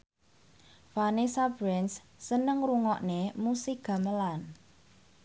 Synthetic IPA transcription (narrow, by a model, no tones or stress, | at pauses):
fanisabɾɛns | sənəŋruŋɔʔnemusiɡ̥ä̤məlan